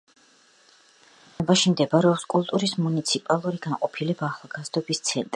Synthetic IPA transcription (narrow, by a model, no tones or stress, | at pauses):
ɛbaʃimd̪ɛbaɾɛɔpskʼulˠt̪ʼuɾismunit̪sʰipʼalˠuɾiɡanqʼɔpʰilɛbaχlˠɡazd̪ɔbist̪sʰɛnt̪ʼɾi